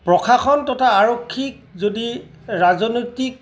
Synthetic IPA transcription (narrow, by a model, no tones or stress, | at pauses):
pɹɔxʰaxɔntɔtʰaːɹokʰːik̚zodi | ɹazɔnojtik̚